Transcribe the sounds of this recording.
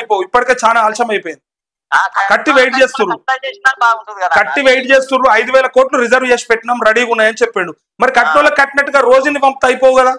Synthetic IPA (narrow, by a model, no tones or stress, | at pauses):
jpoːwuipːɐʈike̞ːt͡ʃaːnaːlt͡ʃɐmɐjpojind̪i | kɐʈːiʋejʈ̚t͡ʃe̞ːst̪uɾlu | kɐʈːiʋejʈt͡ʃe̞ːst̪uːɾluɐjd̪uʋɛːlɐkoːɾʈluɾid͡ʒɐɾʋt͡ʃeːʂpɛʈːinɐmɾɐɽiːunːaːjɐnit͡ʃepːeɳɖu | mɐɾikɐʈnulːɐkɐʈːinɐʈːuɡaːɾo̞ːd͡ʒunipɐmpt̪ɐjipoːwuɡɐd̪aː